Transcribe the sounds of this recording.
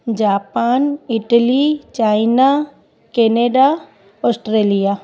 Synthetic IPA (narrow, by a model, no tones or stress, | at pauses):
d͡ʒaːpaːnɪʈlit͡ʃaːɪna | keneɖa | ɔːsʈɾeːlija